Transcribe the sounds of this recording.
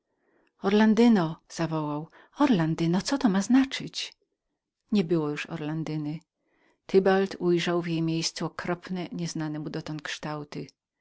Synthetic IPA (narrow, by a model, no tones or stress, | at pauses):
ɔɾland̪ɘnɔz̥avɔwaw | ɔɾland̪ɘnɔt̪sɔt̪ɔmaznat͡ʂɘt͡ɕ | ɲɛbɘwɔjuʂɔ̰ɾland̪ɘnɘ | t̪ʰɘbalt̪ʰujʐawvʲjejmʲjejst̪suɔkɾɔpnɛɲɛznanɛmud̪ɔt̪ɔnt̪̚kʂt̪awt̪ɪ